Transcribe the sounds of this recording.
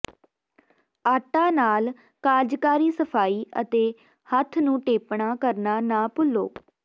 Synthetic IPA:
aːʈãːnaːl | kaːd͡ʒkaːɾiːsəpʰaːiːə̰t̪eː | hət̪ʰnũːʈeːpɳaːkəɾnaːnaːpʊlo̰ː

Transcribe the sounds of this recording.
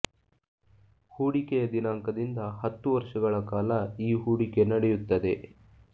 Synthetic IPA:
huːɽikejɐd̪inaːŋkɐd̪ind̪ɐhɐt̪ːuʋɐɾʂɐɡɐɭɐkaːlɐiːɦuːɽike̞nɐɽɛjut̪ːɐd̪e̞

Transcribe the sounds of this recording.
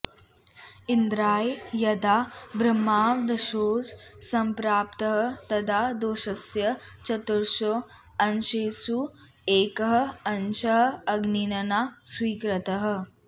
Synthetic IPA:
ind̪ɾaːjjɐd̪aːbɾɐmːaːʋd̪ɐʃoːssɐmpɾaːpt̪ɐɦɐt̪ɐd̪ʰʱad̪oːʃɐsjɐt͡ʃɐt̪uɾʃo | ɐnʃeːsu | eːkɐɦɐ̆ɐnt͡ʃɐɦɐ̆ɐɡninɐnaswiːkɾɐt̪ɐɦɐ̆

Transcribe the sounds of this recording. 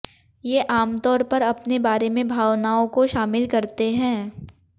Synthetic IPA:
jeːʔaːmt̪ɔːɾpɐɾɐpnebaːɾemẽbʱaːʋnaːõkoʃaːmɪlkɐɾt̪eɦɛ̃ː

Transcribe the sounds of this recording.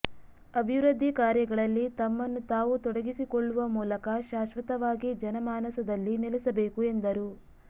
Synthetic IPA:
ɐbʱiʋɾɐd̪ʱːikaːɾjɐɡɐɭɐlːit̪ɐmːɐnːut̪aːʋut̪ɔɽɐɡisikɔɭːuʋɐmuːlɐkɐʃaːʃʋɐt̪ɐʋaːɡid͡ʒɐnɐmaːnɐsɐd̪ɐlːinelɛsɐbeːkue̞nd̪ɐɾu

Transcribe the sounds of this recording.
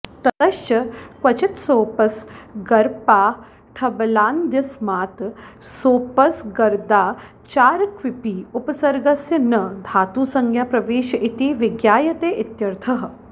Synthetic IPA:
t̪ɐt̪ɐʃt͡ʃɐkʋɐt͡ʃɪt̪soːpɐsɡɐɾpaː | ʈʰɐbɐlaːnd̪jɐsmaːt̪soːpɐsɡɐɾd̪aː | t͡ʃaːɾkʰʋɪpiːupɐsɐɾɡɐsjɐnɐd̪ʱaːt̪uːsɐŋɡjaːpɾɐʋeːʃɐʔit̪iːʋɪɡjaːjɐt̪eːʔɪt̪jɐɾt̪ʰɐɦɐ̆

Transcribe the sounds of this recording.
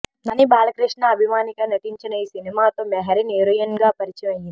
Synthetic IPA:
nɐnibaːlɐkɾiʂɳaɐbʱimaːnikɐnɐʈ̪iɲt͡ʃɐnɐisinimaːt̪omɛɦɐɾineɾɐjɐnɡaːpɐɾit͡ʃiʋɐji

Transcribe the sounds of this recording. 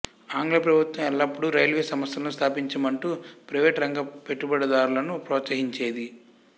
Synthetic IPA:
aːŋɡlɐpɾɐbʱut̪wɐmɛlːɐpːuɽuɾɐjlʋeːsɐmɐst̪ɐlnust̪ʰaːpiɲt͡ʃɐmɐɳʈuːpɾɐʋeːʈɾɐŋɡɐpe̞ʈːubɐɽɐd̪aːɾulɐnupɾɔːt̪sɐɦiɲt͡ʃe̞ːd̪i

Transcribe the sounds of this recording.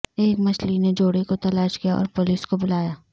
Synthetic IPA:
eːkmɐt͡ʃlined͡ʒoːɽekot̪ɐlaːʃkijaɔ̰ːɾpʊliːskobʊlaːjaː

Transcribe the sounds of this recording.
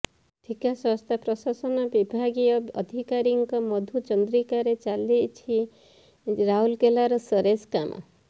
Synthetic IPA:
ʈ̪ʰikasɔst̪ʰapɾɔsasɔnɔbibʱaɡiɔɔd̪ʱikaɾiŋkɔmɔd̪ʱud͡ʒɔnd̪ɾikaɾet͡ʃalit͡ʃʰi | ɾaɦulkelaɾɔsɔɾeskamʔɔ̰

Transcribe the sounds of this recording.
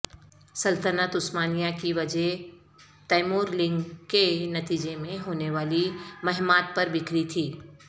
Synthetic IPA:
sɐlt̪ənət̪ʊsmaːnijãkiʋɐd͡ʒɛɦ | t̪aːɪmoːɾlɪ̃ŋɡkenɐt̪iːd͡ʒemẽɦoːneʋaːlimɐɦmaːt̪̚pɐɾbɪkɾit̪ʰiː

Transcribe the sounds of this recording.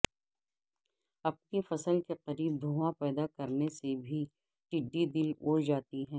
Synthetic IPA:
ɐp̚nifɐsəlkeqɐɾiːb̚d̪ʱoːʋãpɛːd̪akɐɾnesebʱi | ʈɪɖːid̪ɪloːd͡ʒaːt̪iɦɛ̃ː

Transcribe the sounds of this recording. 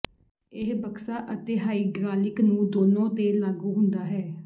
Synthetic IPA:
ɪɦbəksaːʔət̪eːɦaːiːɡɾaːlɪknũːd̪oːnõːt̪eːlaːɡuːɦʊnd̪aːɦɛː

